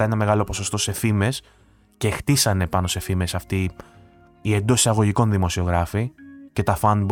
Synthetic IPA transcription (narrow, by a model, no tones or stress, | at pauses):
enɐme̞ɣɐlo̞po̞so̞st̪o̞se̞fime̞s | ce̞ːxt̪isɐne̞pɐno̞se̞fime̞sɐft̪iː | e̞nd̪o̞sisɐɣo̞ʝiko̞nðimo̞sio̞ɣɾɐfice̞t̪ɐfɐnb